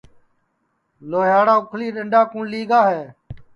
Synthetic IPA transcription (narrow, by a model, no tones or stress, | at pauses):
loːɦaːɽaːʊkʰliːɗəɳɖaːkũːɳliːɡaːɦeː